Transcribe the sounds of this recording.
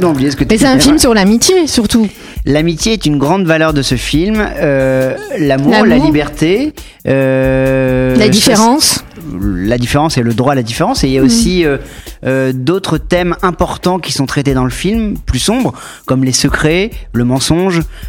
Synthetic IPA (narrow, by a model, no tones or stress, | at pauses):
mɑ̃ublijesə̥kət̪ɛsɛɛ̃filmsyʁlamit̪jesyʁt̪u | lamit̪jeɛt̪ynɡʁɑ̃d̪valœʁd̪əsəfilmølamuʁlallibɛʁt̪e | ø | lad̪ifeʁɑ̃s | lad̪ifeʁɑ̃seləd̪ʁwalad̪ifeʁɑ̃seiljaosiøød̪ot̪χət̪ɛmɛ̃pɔʁt̪ɑ̃kʲi̥sɔ̃t̪χɛt̪ed̪ɑ̃ləfilmplysɔ̃bʁ | kɔmlesəkχɛləmɑ̃sɔ̃ʒ